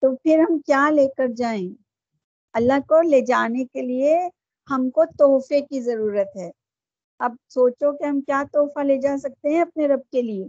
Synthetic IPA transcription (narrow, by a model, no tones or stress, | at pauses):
t̪opɪɾɦɐmkjaːleːkəɾd͡ʒaːẽː | ɐlːaɦkoleːd͡ʒaːnekelie | hɐmkot̪oːfekizɐɾuːɾət̪ɦɛː | ɐb̚soːt͡ʃokeɦɐmkjaːt̪ɔːfaled͡ʒaːs̬ɐk̚t̪eɦɛ̃ɐp̚neɾɐb̚kelie